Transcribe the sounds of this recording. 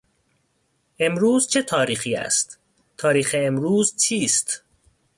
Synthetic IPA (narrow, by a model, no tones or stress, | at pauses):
ʔe̞mɾuːzt͡ʃʰe̞t̪ʰɒːɾiːxiːæ̰st̪ | t̪ʰɒːɾiːxeːmɾuːzt͡ʃʰiːst̪